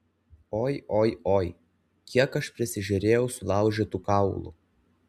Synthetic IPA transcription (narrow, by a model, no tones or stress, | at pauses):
oːjʔoːjoːj | kʲiɛkɐʃpʲɾʲɪsʲɪʒʲʊɾʲeːjɛʊsʊlˠɑˑʊʒʲɪt̪uːkɑˑʊlˠṵ